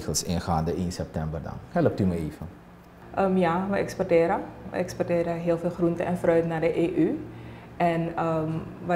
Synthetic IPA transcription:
xəlˠsɪ̰nxa̰ːndəʔinsɛp̚tɛmbərdɑ̰nhɛləp̚tyməeːvə | ʔəmjaʋəʔɛ̰kspɔrtɪːɾəʋə̰ɛkspɔrtɪːɾəɦɪːəlˠfeːlˠxruntəɛnfrœɥtnadəʔeːʔy | ʔɛnəmʋə

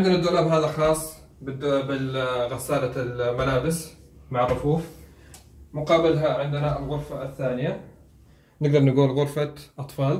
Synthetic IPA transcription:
ʕɪnd̪ɪnad̪ʊɾamɦaːðaxɑːsˤː | bɪɣasaːlalmalaːbɪs | maʕrˤːʊfuːf | mʊqɑːbɪlɦaʕɪnd̪ɪnalɣʊɾfaθːaːnɪja | nɪɡ̚d̪ɑɾˤnɪɡuːlɣʊɾfaʔɑt̪ˤfɑːl

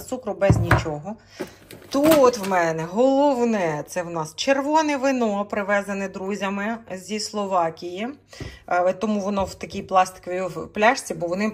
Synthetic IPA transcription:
t̪sukɾʊbɛzʲnʲit͡ʃɔɦɔ | t̪ut̪wmɛnɛɦɔlˠɔwnɛt̪sɛwnɑst͡ʃerʋɔnɛʋɪnɔpɾɪʋɛzɐnɛd̪ɾuzʲɐmɪzʲislˠɔʋɑkʲiji | t̪ɔmuʋɔnɔwt̪ɐkʲijplˠɑst̪ɪ̥kʋʲiwplʲɑʃt͡sʲibɔʋɔnɪ

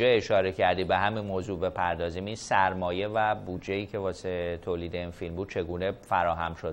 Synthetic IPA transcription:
ɒeʃɒːɾe̞cʰæɾd̪ibe̞ɦæminmoːzuːbe̞pʰæɾd̪ɒːziːminsæɾmɒːje̞væbuːd͡ʒeiːcʰe̞vɒːset̪ʰoːliːd̪e̞infilmbuːd̪̚t͡ʃʰe̞ɡuːne̞fæɾɒːɦæmʃod̪

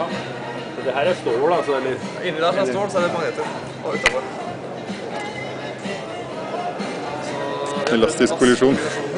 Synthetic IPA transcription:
ɔd̪ɛɦæːɾæst̪oːɽɑsɔmɛlːəɾɑ̰ʔɪnːəd̪ɛæst̪oːsɔæɖɛmɑŋəɛt̪ːəɾ | ʔɔʉt̪ːɑfɔɾ | ɛlɑst̪ɪskpʊlɪʂuːn

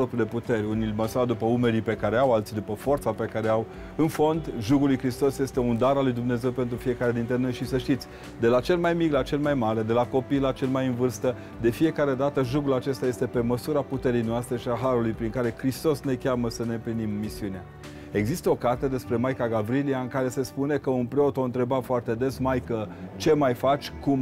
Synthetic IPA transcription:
opɾile̞put̪e̞ɾʲunilʲməsuɾad̪upəume̞ɾipe̞kaɾeawalt̪sid̪upəfo̞rt̪sape̞kaɾeaw | ɨnfo̞nd̪ʒuɡulujkɾist̪o̞sje̞st̪e̞und̪aɾalujd̪umne̞ze̞wpe̞nt̪̬ɾufije̞kaɾed̪int̪ɾe̞no̞jʃisəʃt̪it̪sʲ | d̪e̞lat͡ʃe̞lmajmiklat͡ʃe̞lmajmaɾe̞d̪e̞lako̞pijlat͡ʃe̞lmajɨnvɨrst̪ə | d̪e̞fije̞kaɾe̞d̪at̪əʒuɡulat͡ʃe̞st̪aje̞st̪e̞pe̞məsuɾaput̪e̞ɾijnoast̪ɾe̞ʃiaɦaɾulujpɾiŋkaɾe̞kɾist̪o̞sne̞kʲaməsəne̞ɨmplinimːisiunea | e̞ɡzist̪əo̞kart̪ed̪e̞spɾe̞majkaɡavɾiliaɨŋkaɾe̞se̞spune̞kəunpɾeo̞t̪o̞ɨnt̪ɾe̞bafoart̪e̞d̪e̞smajkət͡ʃe̞majfat͡ʃʲkum

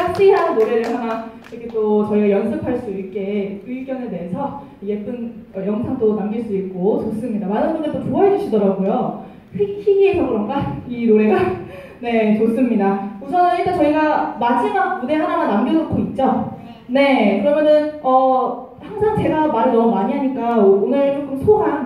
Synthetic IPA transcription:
aɕ͈iɦannoɾe̞ɾɯɭhanan | iɾʌkʰe̞t͈ot͡ɕʌiɡajʌnsʰɯkʰaɭs͈uik͈e̞iɭɡjʌnede̞esʰʌ | je̞p͈ɯnʌjʌŋsʰaŋtonamɡiɭs͈uik̚k͈ot͡ɕos͈ɯmɲidamanɯnɡondɯɭt͈opuʌɦed͡ʑuɕʰidʌɾaɡojo | kɾekʰiçiɡiesʰʌɡɯɾʌnɡainoɾe̞ɡa | ne̞t͡ɕos͈ɯmɲidausʰʌnɯniɭt͈at͡ɕʌiɡamad͡ʑimamuneɦanamanamɡjʌnok̚k͈oit̚t͡ɕ͈o | ne̞kɯɾʌmjʌnɯnʌ | haŋsʰaŋt͡ɕe̞ɡamaɾenʌmumaɲiɦaɲik͈aonɯɭokʰɯmsʰoɡan

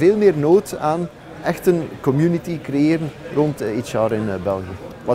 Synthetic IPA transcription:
veːlˠmɪːrnoːtaːn | ɛxtənkɔmjynitikrejeːɾənrɔntit͡ʃɑːɾɪnbɛlˠɣiə | ʋɑ

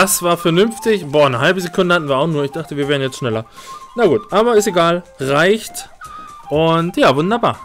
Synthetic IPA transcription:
d̥asv̥aːɐfɛɐnʏnftɪçb̥oːnəɦalbəzekʰʊndəhatn̩viːɐaʊxnuːɐɪçd̥aχtəviːɐveːɐnjɛt͡stʃnɛlɐnaɡuːtʔaːbɐɪsteɡaːlʁaɪçt | ʔʊntjaːvʊndɐba̰ːɐ

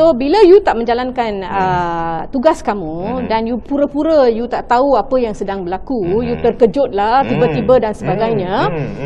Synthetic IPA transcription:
sobiləjut̪aʔmə̃ɲd͡ʒalankanət̪uɡaskamũdanjupuɾəpuɾəjut̪aʔt̪auapəjaŋsədaŋbəlakujut̪ərkəd͡ʒʊt̪̚laht̪ibət̪ibədansəbaɡajɲã

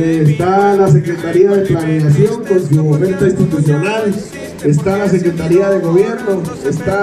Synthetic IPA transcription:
st̪alase̞kɾet̪aɾiaðeplaneɣas̬joŋkonsumofent̪aĩnst̪it̪usjo̞nal | est̪alas̬e̞kɾet̪aɾiaðeɣo̞βje̞ɾnoest̪a

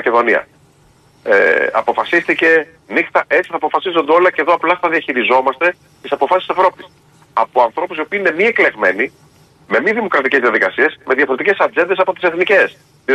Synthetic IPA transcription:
ɐce̞ðo̞niɐ̰ | ḛɐ̰po̞fɐsist̪ice̞ | nixt̪ɐʔe̞t͡si̥θɐpo̞fɐsizo̞nd̪eo̞lɐce̞ðo̞ɐplɐθɐðiɐçiɾizo̞mɐst̪e̞ | t̪isɐpo̞fɐssi̥se̞vɾo̞pi̥s | ɐpoɐnθɾo̞pusio̞piːine̞miekle̞ɣme̞ni | me̞miðimo̞kɾɐt̪iceðiɐðikɐsiesme̞ðiɐfo̞ɾe̞t̪icesɐd͡ze̞nd̪es̬ɐpo̞t̪iseθnice̞s

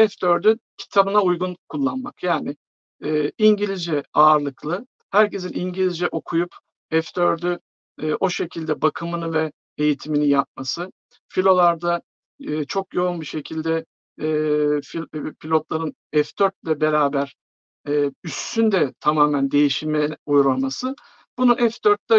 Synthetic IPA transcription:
ɛft̪ø̞ɾd̪ycʰi̥t̪ʰabɯnaujɡunkʰulˠːanma̰kjaːnɪ | ɛːiɲɟilʲid͡ʒɛaːɾlˠɯklˠɯ | hæɾce̞sinʔiɲɟilʲizd͡ʒɛʔo̞kʰujup | ɛft̪øɾd̪yː | ʔo̞ʃe̞cʰilʲd̪ɛbakʰɯmɯnɯvɛ | ejit̪ʰiminijap̚masɯ | filʲo̞lˠaɾd̪aː | t͡ʃʰo̞kjo̞unbiʃe̞cʰilʲd̪ɛː | pilʲo̞t̪lˠaɾɯn | ɛfd̪øɾt̪̚lʲɛbe̞ɾaːbæɾ̥ | ɛːyst̪ʰynd̪ɛt̪ʰamaːmænd̪e̞jiʃimɛujɾamasɯ | b̥ununɛfd̪øɾt̪̚lɛ

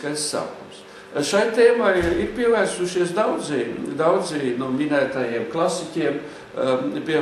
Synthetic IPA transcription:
kajsːa̰ːkums | ʃajt̪eːmajiɾpʲiɛvæːɾsuʃiɛsd̪awd̪zid̪awd̪zinumʲinæːt̪ajiɛmklˠasikʲiɛm | pʲiɛ

